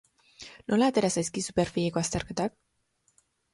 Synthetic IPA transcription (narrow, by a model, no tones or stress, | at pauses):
nulat̪eɾasaskisuperfiekast̪arkət̪ak̚